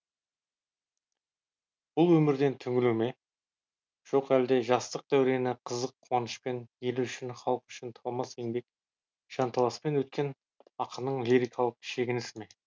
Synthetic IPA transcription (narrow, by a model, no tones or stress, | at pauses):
b̥ʊlˠwɵmɪɾd̪e̞nt̪ʰʏŋʲɪleme̞ | ʒ̥o̞qæld̪e̞ʒɑst̪əq̚d̪æwɾe̞nɪqʰəzəqʰːuɑnəʃpe̞nje̞lʏʃɪnχɑlˠəqʏ̥ʃɪnt̪ʰɑlˠmɑseŋbe̞k̚ | ʒ̥ɑnt̪ʰɑlˠɑspe̞nwɵt̪̚kʲe̞n | ɑqʰənəɴlʲiɾijkʰɑlˠəqʃe̞ɡʲɪnɪsɪme̞